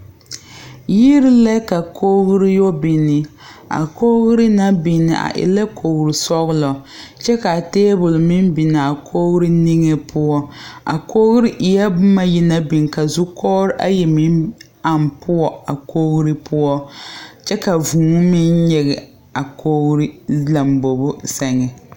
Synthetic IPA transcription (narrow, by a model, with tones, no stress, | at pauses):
ji˦ɾɪ˦la˦ka˨kʰoː˦ɣɾi˦jo˦bi˨nɪ˨ | a̰˨ko˦ɣɾi˦na˦bi˨nɪ̰˨ʔa̰˨ʔɪ̰˨la˦kʰo˨ɣɾi˨sɔ˦ɣʊ˦lɔ˨t͡ʃɛ˦ka˨teː˦bʊ˨lmɪ˦nbi˨na˨a˨kʰoː˦ɣɾi˦ni˦ŋɛ˦pʰʊ˦ɔ˦a̰˨koː˦ɣɾi˦ʔɪ˨ja˦bʊ˦ma˦ji˦na˦bi˨nka˨zu˦kʰɔː˦ɾɪ˦ʔa̰˦jɛ˨mɪ˦n | a˨mpʰʊ˦ɔ˦a˨koː˦ɣɾi˦pʊ˦ɔ˦t͡ʃɛ˦ka˨vuː˨ŋ˦mɪ˦nɲɛ˦ɣɛ˨ | a˨kʰoː˦ɣɾi˦la˨mbo˨bʊ˦sa˨ŋɛ˨